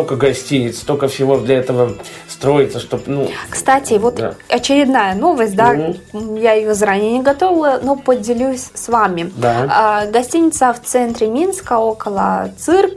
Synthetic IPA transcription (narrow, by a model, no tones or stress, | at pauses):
okəɡɐsʲtʲinʲɪt̪st̪okəfsʲɪvo̞d̪lʲɐɛt̪əvə | st̪ɾo̞jɪt̪səʂt̪o̞pnukst̪atʲɪvo̞t̪ɐt͡ɕɪɾʲɪd̪najəno̞vəsʲt̚ʲd̪ajaɪjozɐɾanʲɪjənʲɪɡɐt̪ovʲɪlˠəno̞pədʲɪlʲusʲsvamʲɪd̪aəɡɐsʲtʲinʲɪt̪səft̪sɛnt̪ɾʲɪmʲinskəokəlˠə̰t̪sɨrk